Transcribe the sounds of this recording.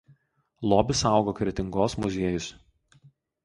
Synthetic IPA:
lˠɔːbʲɪsɑˑʊɡoːkɾʲɛt̪ʲɪŋɡoːsmʊzʲiɛjʊs

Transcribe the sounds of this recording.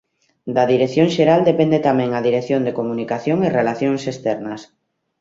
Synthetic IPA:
d̪aðiɾeθjõŋʃeɾald̪epend̪et̪amɛ̃ŋaðiɾeθjõnd̪ekomunikaθjoŋerelaθjoŋsest̪ɛɾnɐs

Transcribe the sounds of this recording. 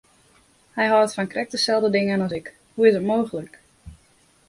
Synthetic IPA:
hɛjɦɔətfɔnkrʔɛk̚təsɛlˠdədɪŋənɔsɪk | huɪsətmoːɣələk

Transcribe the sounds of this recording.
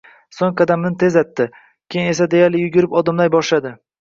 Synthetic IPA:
soŋqad̪amɪnɪt̪ʰe̞zat̪ʰːɪ | kʲʰejŋe̞sad̪e̞jaɾlɪjʊɡʲɪɾɪpɒd̪ɪmlajbɒʃlad̪ɪ

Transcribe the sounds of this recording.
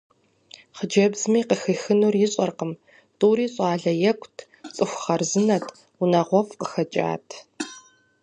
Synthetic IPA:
χəd͡ʒɐbz̥miːqəxɨxɨnuːrjɪɕʼɐrqəm | tʼuːɾiːɕʼɑːɮɐjɛkʷʰʼtʰ | t͡sʼɨxʷχɐrzɨnɐtʰ | unɐʁʷɔfqə̥xɐt͡ʃʼa̰ːtʰ

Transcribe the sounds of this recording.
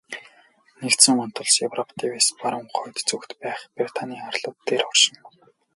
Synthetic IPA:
nekt̪sɘ̆ŋɔn̥t̪ɞ̆ɮsjewrɔpʰt̪ʰiweːspaɾə̆mχʊjt̪t͡sukt̪pæːχprit̪ʰaniːarɮʊːt̪ːeːrɔrʃɪ̆n

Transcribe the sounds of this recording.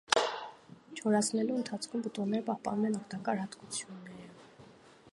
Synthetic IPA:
t͡ʃʰɔɾɑt͡sʰnɛluənt̪ʰɑt͡sʰkʰumbət̪ɔnːɛɾəpɑhpɑ̰numɛnɔkt̪ɑkɑɾhɑt̪kut͡sʰjunːɛɾə

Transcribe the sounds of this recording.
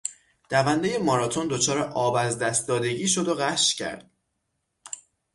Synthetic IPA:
d̪̥ævænd̪e̞je̞mɒːɾɒːt̪ʰo̞nd̪o̞t͡ʃʰɒːɾeʔɒːbæzd̪æst̪̚d̪ɒːd̪e̞ɟiːʃo̞d̪o̞ɣæʃcʰæ̰ɾd̪̥̚

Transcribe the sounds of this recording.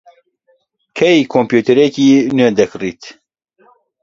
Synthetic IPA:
kʰɛjkʰompjuːt̪ʰɛɾekiːnød̪ɛkriːt̪

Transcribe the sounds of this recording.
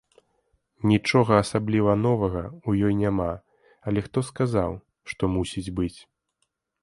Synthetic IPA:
nʲit͡ʂɔɣɐːsablʲivɐnɔvɐɣɐujɔjnʲama | ɐlʲɛxt̪ɔskaza̰w | ʂt̪ɔmusʲid͡zʲbɨt͡sʲ

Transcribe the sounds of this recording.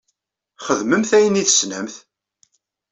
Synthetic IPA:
χəðməmθæjəniθə̥snæmθ

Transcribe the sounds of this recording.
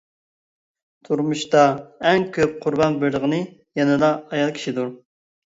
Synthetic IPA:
t̪ʰuɾmuʃt̪ɑɛŋkʲʰøp̚qʰʊɾbɑnbɪɾləʁənɨ | jɛnɨd̪ɑːjɑlˠkʲʰi̥ʃid̪uɾ

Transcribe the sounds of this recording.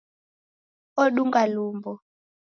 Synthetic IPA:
oɗuŋɡaluːmbɔ

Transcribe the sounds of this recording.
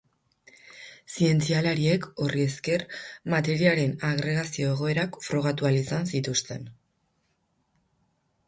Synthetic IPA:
sie̞nt͡sialaɾie̞ko̞rie̞ske̞rmat̪e̞ɾiaɾe̞naɣɾe̞ɣ̞asio̞e̞ɣ̞o̞e̞ɾakfɾo̞ɣ̞at̪ualisansit̪ust̪e̞̰n

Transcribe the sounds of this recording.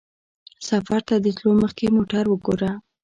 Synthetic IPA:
safaɾt̪ad̪ət̪loməxkemoʈaɾwəɡoɾa

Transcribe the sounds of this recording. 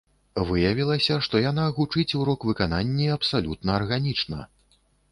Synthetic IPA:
vɨjɐvʲilˠɐsʲɐʂt̪ɔjanaɣut͡ʂɨt͡sʲuɾɔkvɨkananʲːiɐpsalʲut̪nɐːrɣanʲit͡ʂnɐ̰

